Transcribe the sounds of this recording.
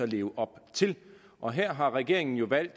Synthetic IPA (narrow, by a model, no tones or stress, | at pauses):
ɒle̝ːʊʔɒ̽b̥t͡sʰe̝l | ʔɒ̽ɦeɐ̰ɦɑ̈ʁɛɡ̥e̝ɐ̰e̝ŋn̩jo̝ʋæl̰d̥